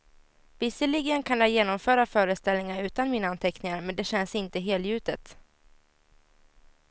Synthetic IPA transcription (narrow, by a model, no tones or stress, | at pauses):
vɪsəɭɪɡənkʰanjajeːnɔmfœːɾafœːɾəst̪ɛlnɪŋaɾʉ̟ːt̪anmiːnaant̪ʰɛknɪŋaɾmɛnd̪ɛɕɛnsɪnt̪əɦeːljʉ̟ːt̪ət̪